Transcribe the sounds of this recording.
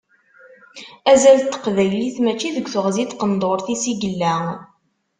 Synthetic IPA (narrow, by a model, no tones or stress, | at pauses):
æzælt̪ːə̥qvæjliθmæt͡ʃːiðəɡʷːθəʁzit̪qənd̪oɾθisiɡəlːæ